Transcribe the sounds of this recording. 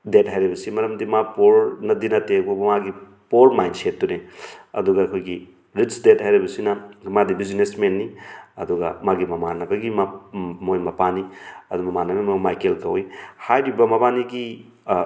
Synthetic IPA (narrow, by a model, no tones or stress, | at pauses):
det̚ɦajɾibɐsimɐɾɐmdimapoɾnɐdinɐtebubmaɡi | poɾmajnsetːuneɐ̰duɡɐːkʰojɡi | ɾit͡ʃdet̚hajɾibɐsinɐmadibizinesmenːiɐduɡɐ̰maɡimɐmanɐbɐɡimamojmɐpaniɐdumɐmanɐbimɐmajkelkɐwihajɾibɐmɐbaniɡi